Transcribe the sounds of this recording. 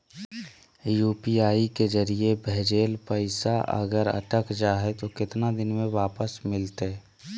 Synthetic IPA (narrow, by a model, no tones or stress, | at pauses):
juːpiaːiked͡ʒəɾiebʱɛɦd͡ʒeːlpəɪsaʔə̰ɡəɾə̰ʈəkd͡ʒaːɦet̪okɪt̪nad̪ɪnmẽʋaːpəsmɪlt̪e